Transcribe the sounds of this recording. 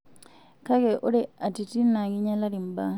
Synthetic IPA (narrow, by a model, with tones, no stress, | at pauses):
ka˦ke˨ʔo˦ɾe˨a˨ti˨ti˦na˨ɡi˦ɲa˦la˦ɾi˨mba˦